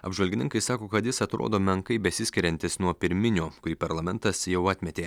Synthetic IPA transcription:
ɐ̰bʒʋɐlʲɡʲɪnʲɪŋkɐɪsɑːkoːkɐt̪jɪsɐt̪ɾo̰ːd̪oːmʲɛŋkɐɪbʲɛsʲɪsʲkʲɪɾʲɛnʲt̪ʲɪsnuɔpʲɪɾʲmʲɪnʲoːkʊɾʲiːpɐɾlˠɐmʲɛnt̪ɐsjɛʊɑːt̪ʲmʲɛt̪ʲeː

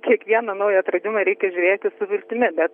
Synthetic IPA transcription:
kʲiɛkʋʲiɛnɐnɐʊjɛt̪rɐd̪ʲɪmɐɾʲɛɪkʲɛʒʲʊːɾʲeːt̪ʲɪsʊʋʲɪlʲt̪ʲɪmʲɪbʲɛt̪

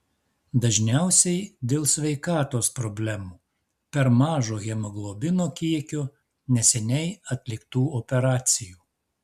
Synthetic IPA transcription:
d̪ɐʒʲnʲæˑʊsʲɛɪd̪ʲeːlˠsʲʋʲɛɪkɑːt̪oːspɾɔbʲlʲæmuː | pʲɛɾmɑːʒoːɣʲɛmɐɡlˠoːbʲɪnoːkʲiɛkʲoː | nʲɛsʲɛnʲɛɪɐt̪ʲlʲɪkt̪uːɔpʲɛɾɑːt̪sʲɪjuː

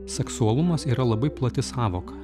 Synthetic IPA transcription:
sʲɛksuɐlˠʊmɐsiːɾɐlˠɐbɐɪplˠɐt̪ʲɪsɑːʋoːkɐ

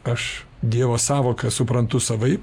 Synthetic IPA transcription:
ɐʃd̪ʲiɛʋoːssɑːʋoːkɐsʊpɾɐnt̪ʊsɐʋɐɪ

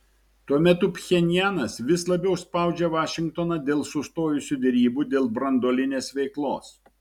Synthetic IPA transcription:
t̪uɔmʲɛt̪ʊpʲxʲɛnʲɪjæːnɐsʋʲɪslˠɐbʲɛʊspɑˑʊd͡ʒʲɛʋɑːʃʲɪŋk̚t̪oːnɐd̪ʲeːlˠsʊst̪oːjʊsʲuːd̪ʲɛɾʲiːbuːd̪ʲeːlˠbɾɐnd̪oːlʲɪnʲeːsʋʲɛɪklˠo̰ːs

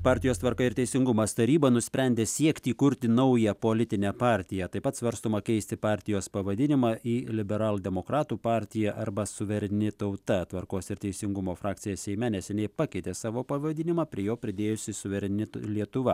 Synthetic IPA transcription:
pɑːɾʲt̪ʲɪjoːst̪ʋɐɾkɐɪɾt̪ʲɛɪsʲɪŋɡʊmɐst̪ɐɾʲiːbɐnʊsʲpʲɾʲɛnʲd̪ʲeːsʲiɛkt̪ʲiːkʊɾʲt̪ʲɪnɐʊjɛpoːlʲɪt̪ʲɪnʲæpɑːɾʲt̪ʲɪjɛt̪ɐɪpɐt̪sʋɐɾst̪oːmɐkʲɛɪsʲt̪ʲɪpɑːɾʲt̪ʲɪjoːspɐʋɐd̪ʲɪnʲɪmɑːʔiːlʲɪbʲɛɾɑːlˠd̪ʲɛmoːkɾɑːt̪uːpɑːɾʲt̪ʲɪjɛʔɐɾbɐsʊʋʲɛɾʲɛnʲɪt̪ɐʊt̪ɐt̪ʋɐɾkoːsɪɾt̪ʲɛɪsʲɪŋɡʊmoːfɾɑːk̪̚ʲsʲɪjɛsʲɛɪmʲɛnʲɛsʲɛnʲɛɪpɑkʲɛɪt̪ʲeːsɑːʋoːpɐʋɐd̪ʲɪnʲɪmɑːpʲɾʲiɛjoːpʲɾʲɪd̪ʲeːjʊsʲɪsʊʋʲɛɾʲɛnʲɪt̪lʲiɛt̪ʊʋɐ

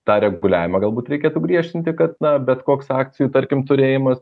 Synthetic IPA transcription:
t̪ɑːɾʲɛɡʊlʲæ̰ːʋʲɪmɐːɡɐlˠbuːt̪ɾʲɛɪkʲeːt̪ʊɡɾʲiɛʃʲt̪ʲɪnʲt̪ʲɪkɐt̪̚nɐbʲɛt̪koːksɑːk̚t̪sʲɪjuːt̪ɐɾʲkʲɪmt̪ʊɾʲeːjɪmɐs

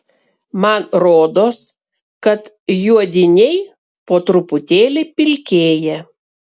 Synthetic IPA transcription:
mɐnɾoːd̪oːs | kɐt̪ | juɔd̪ʲɪnʲɛɪ | poːt̪ɾʊpʊt̪ʲeːlʲɪpʲɪlʲkʲeːjɛ

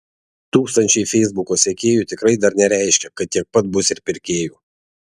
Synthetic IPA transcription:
t̪uːkst̪ɐnʲt͡ʃʲɛɪfʲɛɪzbʊkoːsʲɛkʲeːjuːt̪ʲɪkɾɐɪd̪ɐɾnʲɛɾʲæˑɪʃʲkʲɛkɐt̪ʲtʲiɛk̚pɐt̪̚bʊsɪɾpʲɪɾʲkʲeːjuː

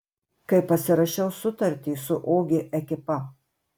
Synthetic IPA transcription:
kɐɪpɐsʲɪɾɐʃʲɛʊsʊt̪ɐɾʲt̪ʲiːsʊʔoːɡʲɪʔɛkʲɪpɐ

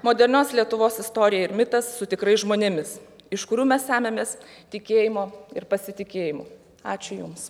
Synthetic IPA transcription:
moːd̪ʲɛɾʲnʲoːslʲiɛt̪ʊʋoːsɪst̪oːɾʲɪjɛɪɾmʲɪt̪ɐsːʊt̪ʲɪkɾɐɪsʒmoːnʲɪmʲɪsɪʃkʊɾʲuːmʲɛsʲæːmʲemʲeːst̪ʲɪkʲeːjɪmoːɪɾpɐsʲɪt̪ʲɪkʲeːjɪmo̰ː | ɑːt͡ʃʲʊjʊms

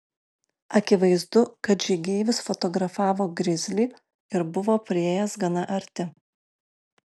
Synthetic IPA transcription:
ɐkʲɪʋɐɪzd̪ʊkɐt̪d͡ʒʲɪɡʲɛːɪʋʲɪsfɔt̪ɔɡɾɐfɑːʋoːɡɾʲɪzʲlʲiː | ɪɾbʊʋoːpʲɾʲɪeːjɛsɡɐnɐʔɐɾʲt̪ʲɪ

